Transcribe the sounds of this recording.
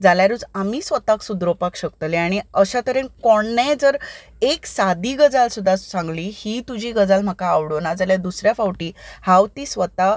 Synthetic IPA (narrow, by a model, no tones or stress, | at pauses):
d͡zaljaɾud͡zamiːsʋət̪aksud̪ɾopakɕəkt̪əleaɽ̃iəɕat̪əɾenkoɳːɛ̃d͡zəɾ | eksad̪ʱiːɡəd͡zalsud̪ʱːassãŋɡliːhiːt̪ud͡ʑiːɡəd͡zalm̤əkaːʋɽonad͡zaljad̪usɾjafawʈiːhawt̪iːsʋət̪a